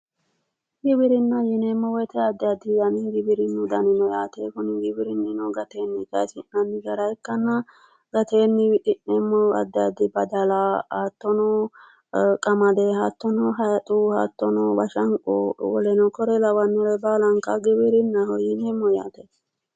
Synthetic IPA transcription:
ɡɪbɪɾɪnːɐjɪneːmːɔwɛt̪ɛɐd̪ːɛɐd̪ɪjɐnɪɡɪbɪɾɪnːʊd̪ɐnɪnɔjaːt̪eːkʊnɪɡɪbɪɾɪnːɪnɔɡɐt̪eːnːɪkʼɐsɪnːɐnːɪɡɐɾɐjkːɐnːɐ | ɡɐt̪eːnːɪkɪnːeːmːɔɐ̰d̪ːɛjɐd̪ɪbɐd̪ɐlaːat̪ːɔnɔ | kʼɐmɐd̪eːhat̪ːɔnɔɦɐjɐt̪ʼuhɐt̪ːɔnɔbɐʃɐŋkʼowɔ̰lɛnɔkɔɾɛlɐwɐnːɔlɛbaːlɐŋkɐɡɪbɪɾɪnːɐhɔjɪneːmːɔja̰ːt̪eː

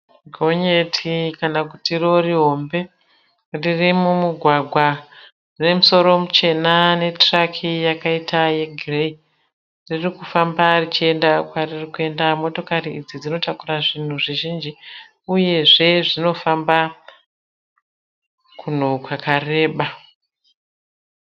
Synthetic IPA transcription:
ɡʱo̞ɲe̞tʰikanakutiro̞riɦo̞mbe̞ | ririmumuɡʱwaɡʱwa | ne̞muso̞ɾo̞mut͡ʃe̞nane̞trakʰijakaitaje̞ɡʱirei | ririkufambarit͡ʃie̞ndakwaririkue̞ndamo̞to̞kariid͡zid͡zino̞takuraʐin̤uʐiʒind͡ʒi | uje̞ʐe̞ʐino̞famba | kun̤okwakare̞ːɓa

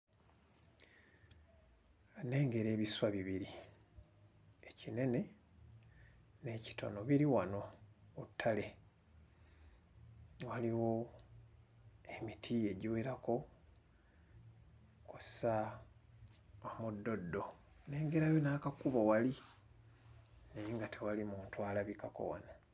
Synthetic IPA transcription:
ne̞ːŋɡe̞ɾe̞ːβiswaβiβiɾi | e̞cine̞ne̞ | ne̞ːci̥to̞̰no̞βiɾiwano̞utʰːale̞ | waliwo̞ | emitʰie̞ɟiweɾako̞ | kussa | omudːo̞dːo̞ | ne̞ːŋɡe̞ɾajonakakuβo̞wali | niŋɡatʰewalimuːntwaːlaβikako̞̰wa̰na

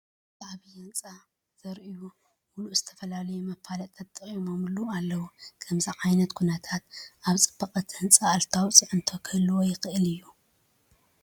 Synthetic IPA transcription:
zʼaʕβizɐnt͡sʼa | z̥ɐɾʔɨju | muluʔz̥ɨt̪ʰɐfɐlalɐjumɐpʰːalɐt̪ʼɐt̪ʼɨχʼjmomɨlualːɐwukʰɐmziʕajnɐt̪kʰunɐt̪ʰat̪̚ʔaβt͡sʼɨ̥bːɐqʼɐt̪ʰɨnt͡sʼaːlt̪ʰawt͡sʼɨʕɨnt̪ʰokʰɐluwojɪxɨʔɨlɨjːu

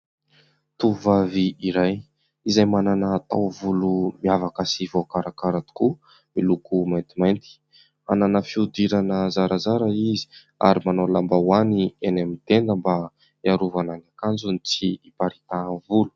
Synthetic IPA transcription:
t̪uvaviiɾaj | izajmananaːt̪a̰wvulumiavakəsivoakaɾakaɾat̪u̥ku | milukumajnt̪imajnt̪i̥ | a̰nanəfiud̪iɾanəzaɾʔazaɾaizi̥ | a̰ɾimanolambawanienamit̪end̪əmba | iaɾuvananakand͡zunit͡siːpaɾit̪avulu̥

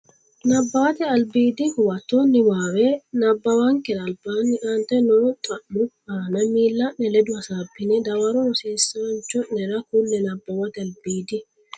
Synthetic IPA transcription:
nɐbːɐwɐt̪ɛɐlbiːd̪ikʊwɐt̪ːonːɪwaːwɛnɐbːɐwaŋkɛdɐɐlbaːnːɪʔant̪ɛnɔɾt̪ʼɐʔːʊ | aːnɐmiːlːɐʔnɛlɛd̪ʊɐsaːbːɪnɛd̪ɐwɐɾɔwɔseːsːaːnt͡ʃɔɛɾɐkʊlːɛnɐbːɐwɐt̪ɛɐlbiːd̪i

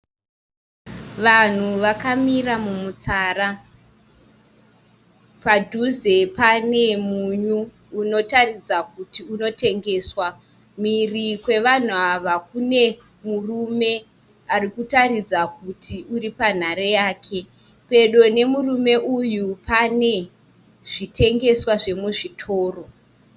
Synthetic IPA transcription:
ʋan̤uʋakamiramumut͡saːra | padʱuze̞pane̞muɲuː | no̞tarid͡zak̚utiuno̞te̞ŋɡe̞ːswa | mirikwe̞ʋan̤uaʋak̚une̞ | murume̞ | arikutaɾid͡zak̚utʰiuripan̤aɾejaːkʰe̞ | pe̞ɗo̞ne̞murume̞ʔujupʰane̞ | ʐ̥itʰe̞ŋɡe̞swaʐe̞muʐitʰo̞ːro̞

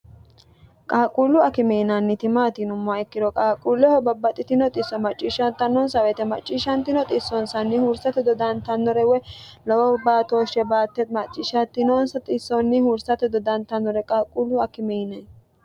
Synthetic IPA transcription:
kʼaːkʼulːʊɐkɪmɛjnɐnːɪt̪ɪmaːt̪inʊmːʊaɛkːɪd̪ɔkʼaːkʼuːlːɛhɔbɐbːɐt̪ʼːɪt̪ɪnɔt̪ʼɪsːɔmɐt͡ʃʼːiːʃɐnt̪ːɐnːɔnsɐwɛt̪ɛmɐ̰t͡ʃʼːiːʃɐnt̪ɪnɔt̪ʼɪsːɔnsɐnːɪhuɾsɐt̪ɛd̪ɔd̪ɐnt̪ɐnːɔɾɛwɛlɔwbaːt̪oːʃɛbaːt̪ːɛt̪mɐt͡ʃʼːɪːʃɐt̪ːɪnoːnsɐt̪ʼɪsːɔnːɪhuɾsɐt̪ɛd̪ɔd̪ɐnt̪ːɐnːɔɾɛkʼaːkʼulːʊɐkɪmɛjnɐj

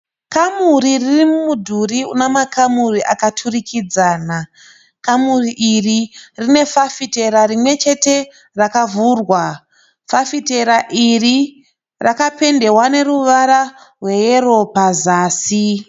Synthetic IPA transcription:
kamuriririmumudʱuriṵnemakamuriʔakatʰurikʰid͡zaːna | kamuriʔiririne̞fafite̞ɾarimwe̞t͡ʃe̞te̞ | rakavurwa | fafite̞ɾaʔiri | rakape̞nde̞wane̞ɾuʋaɾa | rwe̞jeɾo̞pazaːsi

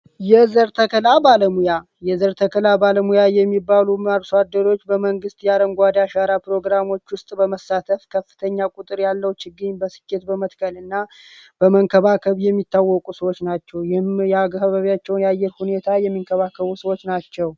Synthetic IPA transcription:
jɛzəɾt̪ʰəkʰəlabaləmuja | jɛzəɾt̪ʰəkʰəlabaləmujajɛmːibːaluaɾsad̪ːəɾo̞t͡ʃːbəməŋɡɨst̪ʼjaɾəŋɡʷad̪aʃaɾapɾo̞ɡɾamo̞t͡ʃːwʊst̪ʼbəməsːat̪ʰəfkʰəfːɨ̥t̪ʰəɲːakʼut̪ʼɨɾjalːəwt͡ʃɪɡːɨɲbəsɨ̥kːe̞t̪bəmət̪kʰəlɨnːa | b̥əməŋkʰəβakʰəβjɛmːit̪ːawːɔkʼusəwo̞t͡ʃːnat͡ʃːɛwjɪhmjaɡhəβəβjat͡ʃːɛwnjajːɛɾhune̞t̪ʰajɛmːiŋkʰəβakʰːəβusəwot͡ʃːnat͡ʃːɛw

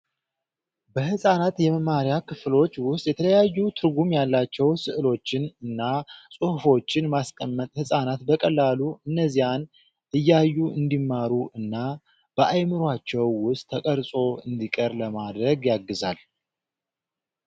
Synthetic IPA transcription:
bəhɨsʼanat̪jɛməmaɾjakʰɨflo̞t͡ʃːwʊst̪ʼjɛt̪ʰələjajːut̪ʰɨɾɡumjalːat͡ʃːɛwsɨʔɨlo̞t͡ʃːɪnɨnːasʼɨhfo̞t͡ʃːɪnmaskʼəmːət̪ʼhɨsʼanat̪bəkʼəlːaluɨnːəzijan | ʔɨjːajːuɨnd̪imːaɾuʔɨnːa | b̥əʔajmɨɾat͡ʃːɛwːʊst̪ʰːəkʼəɾsʼo̞ɨnd̪ikʼəɾləmad̪ɾəɡjaɡːɨzal

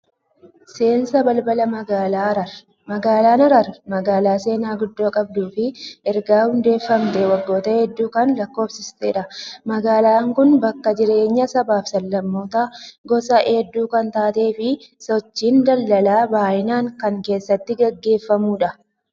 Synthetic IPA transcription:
se̞ːnsɐbɐlbɐlɐmɐalːɾɐɾ | mɐɡaːlaːnɐɾɐɾmɐɡaːlaːse̞ːnaːɡʊd̪ːo̞ːkʼɐb̚d̪uːfɪɛɾɡaːhʊnd̪e̞ːfːɐmt̪ɛwɐɡːo̞ːt̪ɐhɛd̪ːuːkɐnlɐkːo̞ːbsɪst̪eːᶑɐmɐɡaːlaːŋkʊnbɐkːɐd͡ʒɪɾe̞ːɲːɐsɐbaːfsɐlːɐmːo̞ːt̪ɐɡɔsɐʔed̪ːuːkɐnt̪aːt̪e̞ːfɪsɔt͡ʃːiːnd̪ɐlːɐlaːbaːʔɪnaːŋkɐŋke̞ːsːɐt̪ːɪɡɐɡːe̞ːfːɐmuːᶑɐ

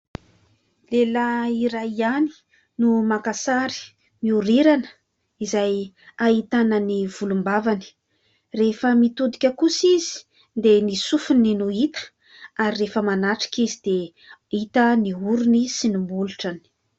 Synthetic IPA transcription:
lelaiɾajiani̥ | numakasaɾi̥ | miuɾiɾanə̥ | izaj | ait̪anəniv̥ulumbavani̥ | refəmit̪ud̪ikʲəkusizi̥ | nd̪enisufuninuit̪ə̥ | aɾirefəmanaʈ͡ʂi̥kizid̪e | it̪əniuɾunisinumuluʈ͡ʂani̥

